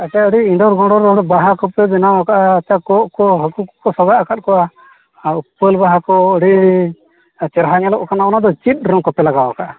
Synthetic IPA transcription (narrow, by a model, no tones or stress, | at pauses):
at͡ʃaəɽiiɳɖɔɾɡɔ̃ɖɔɾɔɽbaɦakɔpɛbɛnawakaʔaːt͡ʃakɔʔkɔɦəkukkɔsɔɡaʔakat̪̚kɔʔa | upːəlbaɦakɔɔɽi | t͡ʃɛɾɦaɲɛlɔʔkanaɔnad̪ɔt͡ʃit̪̚ˀɾɔmkɔpɛlaɡawa̰kaʔa